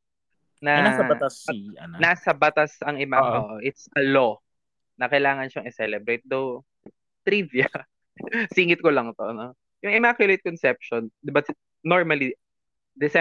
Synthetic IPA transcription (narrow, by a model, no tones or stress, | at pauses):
nɐnasɐbɐasiɐ̰nnasɐbɐt̪asɐŋɪmaoʔoʔɪt̪sʔɐlo | nɐkɐjlaːŋɐnʃɐŋɛsɛlɛbɾejt̪̚d̪ɐw | t̪ɾiviɐ | siːŋɪt̪̚kolɐŋt̪oʔɐno | jʊŋɪmakjʊlejt̪̚kɔnsɛp̚ʃɔnd̪ɪbɐs | noɹmɐli | d̪ɛsɛ